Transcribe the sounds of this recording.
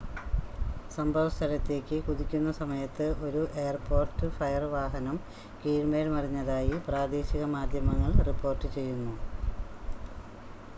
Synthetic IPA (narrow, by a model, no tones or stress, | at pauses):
sɐmbʱɐʋst̪ʰɐlɐt̪ːe̞ːkʲːɨkuðikʲːunːɐsɐmɐjɐt̪ːɨʔo̞ɾuʔe̞ːjɐrpo̞ːrtːɨfɐjɐrʋaːɦɐnɐm | kiːɻmeːlmɐriɲːɐðaːjipraːd̪eːɕiɣɐmaːd̪ʱjɐmɐŋːɐɭripːo̞ːrtːɨt͡ɕe̞jːunːu